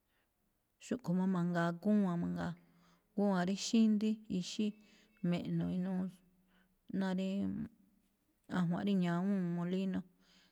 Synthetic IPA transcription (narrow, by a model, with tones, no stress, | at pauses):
ʃu˦ʔku˨mã˧mã˧ŋɡa˨ku˦˧ã˧mã˧ŋɡa˧ | ku˦˧ã˧ɾi˦ʃi˦nd̪i˦i˧ʃi˦ | mẽ˨ʔnõ˧i˧nũː˦ | nã˧ɾi˧ | ã̰˧˨ɦwã̰˨˦ɾi˦ɲã˨˧˦ũ˦mõ˧li˦nõ˧